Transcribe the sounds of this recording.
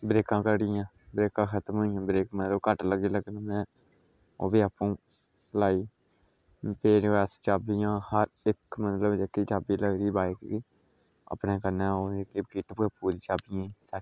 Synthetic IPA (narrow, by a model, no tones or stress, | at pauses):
bɾeːkãːkəɾɽɪjãː | bɾeːkãːkʰət̪əmɦoːijãːbɾeːkmət̪ləbkəʈləɡiːləɡnãːmɛ̃ | o̰ːbiːaːpːũː | laːiː | peːɾʋɛːst͡ʃaːbijãːhəɾɪkmət̪ləbd͡ʒekːiːt͡ʃaːbiːləɡd̪iːbaːɪkːiː | ə̰pneːkəɾnãːoːekiːkiːʈəpɡeːpuːlit͡ʃaːbɪjãːsa